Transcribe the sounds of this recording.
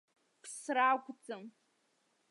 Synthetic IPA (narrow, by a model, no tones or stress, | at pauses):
pʰsraɡʷʼd͡zɨm